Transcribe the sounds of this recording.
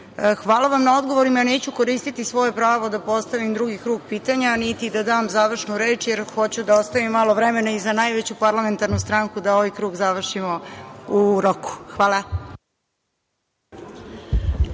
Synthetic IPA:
xʋaːlˠaʋamnao̞d̪ɡo̞ʋoɾimane̞ːt͡ɕuko̞ɾiːst̪it̪isʋo̞je̞pɾaːʋo̞d̪apo̞st̪aʋimd̪ɾuɡikɾuːɡ̚piːt̪aɲanit̪id̪ad̪aːmzaʋr̩ʃnuɾe̞ːt͡ʃjeɾxo̞t͡ɕud̪aost̪aʋimːalˠo̞ʋɾeme̞naizanajʋet͡ɕupaɾlˠame̞nt̪aɾnust̪ɾaŋkud̪ao̞ʋajkɾuːɡzaʋr̩ʃimo̞uɾoku̥xʋaːla

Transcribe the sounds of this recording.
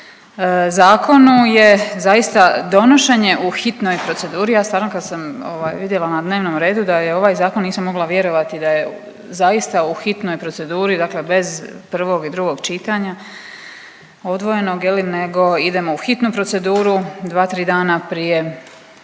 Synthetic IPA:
zaːkʰo̞nuje̞zajist̪ad̪o̞noʃe̞ɲe̞ʔuxit̪no̞jpɾo̞t̪se̞d̪uːɾijaːst̪ʋaːɾnokad̪samo̰ːʋaːjʋid̪jelˠanad̪ne̞ːʋnomɾe̞ːd̪ud̪ajeo̞ʋaːjzaːkonːiːsamːo̞ɡlˠaʋje̞ɾo̞ʋat̪id̪aje̞ | zajist̪auxit̪no̞jpɾo̞t̪se̞d̪uːɾid̪akle̞be̞zpr̩ʋo̞ɡid̪ɾuɡo̞ɡt͡ʃit̪aɲa | o̞d̪ʋo̞je̞noɡjeline̞ɡo̞id̪e̞mo̞uxit̪nupɾo̞t̪se̞d̪uːɾud̪ʋaːt̪ɾiːd̪aːnapɾije̞

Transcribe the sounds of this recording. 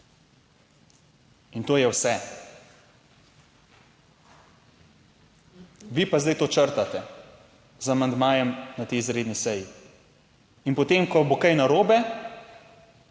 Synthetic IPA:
int̪oːjɛwsɛ | ʋiːpazd̪ɛjt̪oːt͡ʃəɾt̪at̪ɛ | zamand̪maːjɛmnat̪ɛizɾeːd̪nisɛji | inpot̪eːmkɔbokɐjnaɾoːbɛ

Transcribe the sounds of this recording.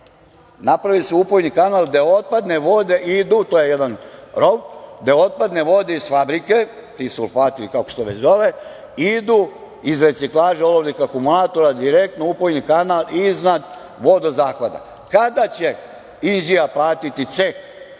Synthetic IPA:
napɾaʋilseupojnikanald̪eot̪̚pad̪neʋo̞d̪eʔid̪ut̪oje̞jed̪anɾo̞ʋd̪eo̞t̪̚pad̪neʋo̞d̪eisfabɾike̞t̪isṵlfaːt̪ilikakost̪oʋet͡ɕzoʋe | id̪u | izɾe̞t̪siklˠaːʒeoloblikakumulaːt̪o̞ɾad̪iɾek̚t̪noupojnikanaliznad̪ | ʋo̞d̪ozaːxʋad̪a̰ | kad̪at͡ɕe | inʒijaplaːt̪it̪it̪sek

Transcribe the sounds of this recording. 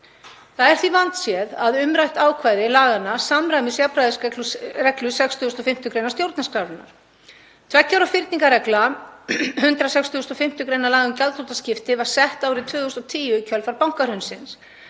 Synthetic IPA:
θaðɛɾ̥θvivant̪sjɛðaðʏmɾajht̪aːwkʰvaːjðɪlaːɣanasamɾajmɪsjapɾajðɪsɛklrɛklʏsɛkst̪ʰʏːʏst̪ɔfɪm̥t̪ʏkɾejnast̪jowɾt̪naskɾaːvɪna̰ɾ̥ | t̪ʰvɛcːawɾafɪɾt̪niŋkaɾɛkla | hʏnt̪ɾasɛkst̪ʰʏʏst̪ɔfɪm̥t̪ʏkɾejnalaːɣʏmcalt̪ʰot̪ascɪft̪ɪvaɾ̥sɛht̪aːwɾɪt̪ʰvʏːðʏst̪ɔt̪ʰiːjʏicʰœlfaɾpawŋ̥kaɾ̥hʏnsɪns

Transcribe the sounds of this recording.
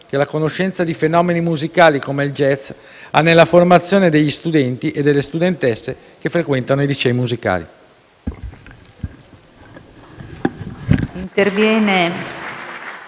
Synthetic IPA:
kelakonoʃːɛnt̪sad̪ifenɔːmenimuzikaːlikomeild͡ʒɛt̪s | a̰nːelːaformat̪sːjoːned̪eʎːist̪ud̪ɛnt̪iʔed̪ːelːest̪ud̪ent̪ɛsːe | kefɾekwɛnt̪anoid̪it͡ʃɛimuzika̰ːlḭ | int̪ervjɛːne

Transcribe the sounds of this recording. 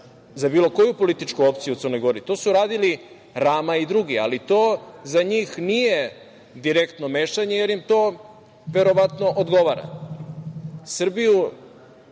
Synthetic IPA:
zabiːlo̞ko̞jupo̞lit̪it͡ʃkuo̞pt̪sijut̪sɾrno̞jɡo̞ɾit̪o̞ːsuɾaːd̪ili | ɾaːmaid̪ɾuɡia̰lit̪o̞ːzaɲiːxnije̞ | d̪iɾe̞kt̪no̞me̞ːʃaɲeje̞ɾjimt̪o̞ː | ʋe̞ɾo̞ʋat̪no̞ʔod̪ɡo̞ʋaɾa̰ | sr̩biju

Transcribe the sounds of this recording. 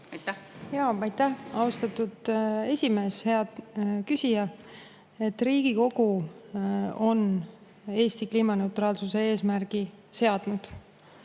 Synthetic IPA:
jɑːɑjt̪ːæhɑust̪ɑt̪ːud̪̥e̞sʲime̞ːshe̞ɑd̪kysʲijɑ | e̞t̪ːriːɡ̥iko̞ɡ̥u | o̞n | e̞ːst̪ikliːmɑne̞ut̪ɾɑːlsuse̞e̞ːsmærɡ̥ise̞ɑd̪̥nud̪̥

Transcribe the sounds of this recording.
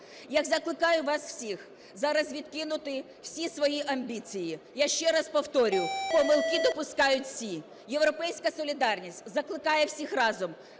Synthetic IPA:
jɐkzɐklˠɪkɑjʊʋɑsw̥sʲix | zɑɾɐzʋʲid̪kɪnʊt̪ɪ | w̥sʲisʋɔjiʔɐmʲbʲit͡sʲijijaʃt͡ʃɛɾɑspɔwt̪ɔɾʲʊwpɔmɪlˠkid̪ɔpʊskɑjʊtʲfsʲi | jewɾɔpɛjsʲkɐsɔlʲid̪ɑrnʲisʲtʲzɐklˠɪkɑjɛwsʲixrɑzɔm

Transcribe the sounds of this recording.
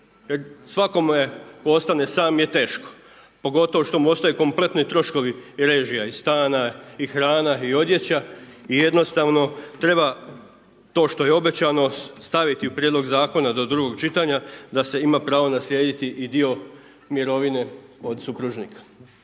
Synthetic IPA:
jeɾsʋako̞mujekoo̞st̪ane̞saːmje̞t̪e̞ːʃko̥ | po̞ɡo̞t̪o̞ʋo̞ʃt̪o̞muo̞st̪ajeko̞mple̞t̪nojt̪ɾo̞ʃko̞ʋiɾe̞ːʒijaist̪aːnaixɾaːnaio̞d̪je̞t͡ɕaije̞d̪no̞st̪aʋno̞t̪ɾe̞ba | t̪o̞ːʃt̪o̞je̞o̞bet͡ɕano̞st̪aʋit̪iupɾjed̪lo̞ɡzaːko̞nad̪o̞d̪ɾuɡo̞ɡt͡ʃit̪aɲad̪ase̞imapɾaːʋonasljeːd̪it̪iʔid̪io̞ | mjeɾo̞ʋine̞o̞d̪supɾuʒnikʰḁ

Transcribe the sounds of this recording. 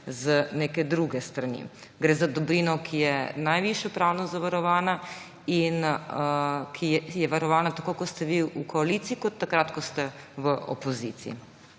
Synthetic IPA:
zəneːkɛd̪ɾuɡɛst̪ɾanḭ | ɡɾeːzad̪ɔbɾiːnɔkʰijɛnajʋiʃjɔpɾaːwnɔzaʋaɾɔʋaːna | in | kʰijɛʋaɾɔʋaːnat̪akokɔt̪st̪ɛʋiukɔaliːt̪siːkɔt̪ːakɾat̪kɔst̪ɛʋəo̰pɔziːt̪sḭḭ

